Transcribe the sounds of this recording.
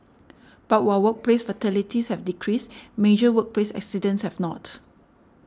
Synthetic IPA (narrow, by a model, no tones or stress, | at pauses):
b̥at̚wawək̚plesfətɛlitishɛvdikʰɹismed͡ʒəwək̚plesɛ̰ksidə̃nshɛvnɔt